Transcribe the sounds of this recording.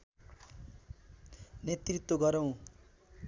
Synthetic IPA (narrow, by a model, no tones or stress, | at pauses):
net̪rit̪woɡʌɾʌw̃